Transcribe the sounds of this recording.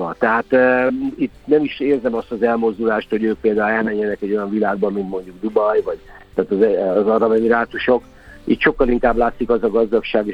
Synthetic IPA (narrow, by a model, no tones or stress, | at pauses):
ɒt̪ɛɦaːt̪it̪ːnɛmiʃeːrzɛmɒst̪ɒzɛlmo̞zd̪ulaːʃt̪ho̞ɟøːk̚peːld̪aːulɛlmɛɲːɛnɛkɛɟːo̞jɒɱvilaːɡ̚bɒmːint̪mo̞ɲɟuɡd̪ubɒjvɒɟt̪aːt̪ɒzɛːzɒɾɒbɛviɾaːt̪uʃo̞k | ḭːt̪ʃo̞kːɒliŋkaːblaːt̪sikɒzɒɡɒzd̪ɒkʃaːɡe